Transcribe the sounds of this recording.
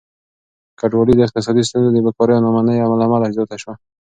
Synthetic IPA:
kaɖwɑlid̪əɪq̚t̪ɪs̬ɑd̪is̬t̪unzod̪əbəkɔɾəjanɑmanəjamalamalaɪzot̪aʃwa

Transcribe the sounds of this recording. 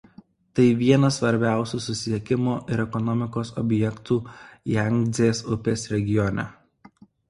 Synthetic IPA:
t̪ɐɪʋʲiɛnɐsʋɐɾʲbʲæˑʊsʲuːsʊsʲɪɛkʲɪmoːʔɪɾɛkɔnɔmʲɪkoːsɔ̰bʲjɛkt̪uːjɛŋʲɡʲzʲeːsʊpʲeːsɾʲɛɡʲɪjɔnʲɛ̰

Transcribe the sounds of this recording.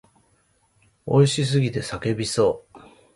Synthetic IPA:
o̞iɕis̬ɨɡʲit̪e̞sake̞bʲiso̞ː

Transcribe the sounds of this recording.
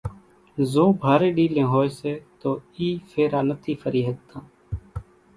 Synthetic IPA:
zõːbʱaːɾeːɗiːlẽːɦoːeːseːt̪oːiːfʰeːɾaːnət̪ʰiːfəɾiːɦəɡ̚t̪ãː

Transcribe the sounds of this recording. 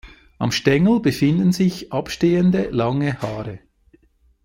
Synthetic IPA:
ʔɑ̰mʃtɛŋl̩bəfɪndn̩zɪçʔɑpʃteːəndəlɑŋəhaːɾə

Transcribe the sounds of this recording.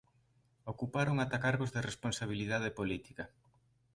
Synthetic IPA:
okupaɾoŋat̪akaɾβozðɪresponsaβ̞iliðað̞epolit̪i̥kɐ

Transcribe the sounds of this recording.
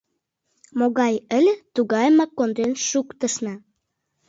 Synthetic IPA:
moɣɑjə̆lʲet̪uɣɑjmɑkːond̪ɾenʃukt̪ə̆ʃnɑ

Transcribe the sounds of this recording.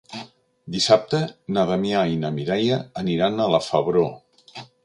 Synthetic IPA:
d̪isap̚t̪ənaðəmiainəmiɾɛjəːniɾanələfəβɾo

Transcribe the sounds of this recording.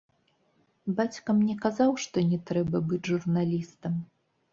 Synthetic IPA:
bat͡sʲkɐmnʲɛkazawʂt̪ɔnʲɛt̪ɾɛbɐbɨd͡zʲʐurnalʲist̪ɐm

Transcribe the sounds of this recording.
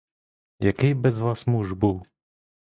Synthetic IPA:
jakɛjbɛzvaːsmuʒbul

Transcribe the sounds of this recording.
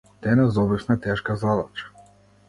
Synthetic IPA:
d̪̥ɛnɛzɔbifmɛt̪ɛʃkazad̪at͡ʃḁ

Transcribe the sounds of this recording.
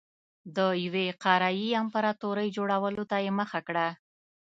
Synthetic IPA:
d̪əjaweqɑɾajiampaɾɑt̪oɾəjd͡ʒoɽawəlot̪ajeməxakɽa

